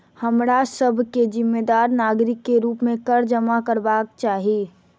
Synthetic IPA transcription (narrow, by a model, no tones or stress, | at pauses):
həmɾasəbʱked͡ʒɪmːeːd̪aːɾnaːɡɾɪkːeɾuːpmẽkəɾd͡ʒəmakəɾbaːk̚t͡ʃaːɦi